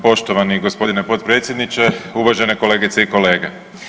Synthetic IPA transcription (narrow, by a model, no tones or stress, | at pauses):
po̞ʃt̪oʋaniɡospo̞d̪inepo̞t̪pɾe̞ːt̪sʲje̞d̪nit͡ʃeuʋaʒeneko̞le̞ːɡit̪seiko̞le̞ːɡe